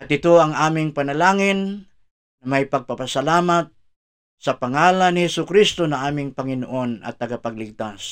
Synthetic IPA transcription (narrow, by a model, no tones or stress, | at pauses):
ɐt̪ɪt̪oɐŋʔaːmɪŋpɐnɐlaːŋɪnː | ɐmajpɐɡ̚papɐsɐlaːmat̪̚ | sɐpɐŋaːlanɪhɛsʊkɾist̪onɐʔaːmɪŋpɐŋɪnoʔo̞nɐ̰t̪ːɐɡapɐɡ̚lɪɡ̚t̪as